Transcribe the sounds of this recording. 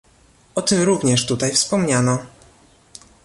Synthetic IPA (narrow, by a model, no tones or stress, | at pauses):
ɔt̪ɘmɾuvɲɛʂt̪ut̪ajfspɔmɲanɔ